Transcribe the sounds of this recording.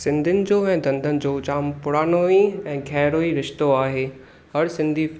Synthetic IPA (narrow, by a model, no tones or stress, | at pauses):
sɪ̃nd̪ʱɪnɪ̆d͡ʑoːɛ̃ːd̪ɐ̃nd̪ʱənɪ̆d͡ʑoːt͡ɕaːmpʊɽaːnoiɛ̃ːɡʱɛɦɾoːiɾɪʃt̪oaːɦeː | ɦɐɾsɪ̃nd̪ʱi